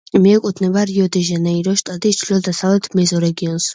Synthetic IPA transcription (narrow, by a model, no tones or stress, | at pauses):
mɛɛkʼut̪ʰnɛbaɾiɔd̪iʒanaiɾɔʃt̪ʼat̪ʼist͡ʃʰliɔd̪asavlɛt̪ʰmɛzɔɾɛɡiɔns